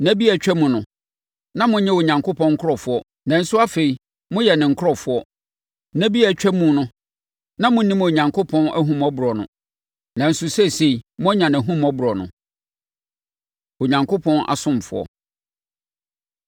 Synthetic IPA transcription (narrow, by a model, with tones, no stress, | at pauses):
næ˦bi˦æ˨t͡ɕᶣæ˦mũ˨nʊ̃˨ | nã˦mʊ̃˦ɲɛ̃˦o˨ɲã˨ŋkʰo˦pʰɔ̃˦ŋ̩˦kʰʊ˦ɾɔ˨fʊ˨˦ɔ˦ | nã˨n̩˦sʊ˦a˦fe˨i˨ | mʊ̃˦jɛ˨nɪ̃˨ŋ̩˨kʰʊ˦ɾɔ˨fʊ˨˦ɔ˦ | næ̃˦bi˦æ˨t͡ɕᶣɛ˦mũ˦nʊ̃˦ | nã˦mʊ̃˦nĩ˦mo˨ɲã˨ŋkʰo˦pʰɔ̃˦næ̰˦ɦũ˦mɔ˦bu˨ɾɔ˨nʊ̰̃˨ | nã˨n̩˦sʊ˦sɛ˦˨se˨i˨mʊ̃˦ɲã˨n˨æ˨ɦũ˦mɔ˦bu˨ɾɔ˨nʊ̰̃˨ | o˨ɲã˨ŋkʰo˦pʰɔ̃˦nʔa̰˨sʊ̃˦m˨fʊ̰˨˦ɔ̰˨